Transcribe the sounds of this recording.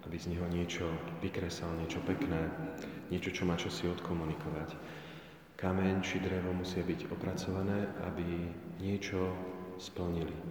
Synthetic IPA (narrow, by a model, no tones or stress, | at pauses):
ʔabizɲɛɦɔɲɪɛt͡ʃɔʋikɾɛsalɲɪɛt͡ʃɔpɛknɛːɲɪɛt͡ʃɔt͡ʃɔmaːt͡ʃasiɔt̪kʰɔmunikʰɔʋac | kamɛɲt͡ʃid̪ɾɛʋɔmusɪabiɟɔpɾat͡sɔʋanɛːʔa̰biɲɪɛt͡ʃɔspl̩ɲili